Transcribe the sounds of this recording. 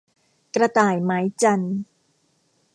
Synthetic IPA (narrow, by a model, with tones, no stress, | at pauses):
kɾa˧t̪aː˨˩jma˦˥jt͡ɕa˧n